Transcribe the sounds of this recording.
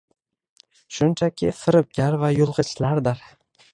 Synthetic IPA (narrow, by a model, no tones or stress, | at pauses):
ʃʊnt͡ʃʰakʲʰɪfɪɾɪp̚ɡʲaɾvajʊlˠʁɨt͡ʃlaɾd̪ɪɾ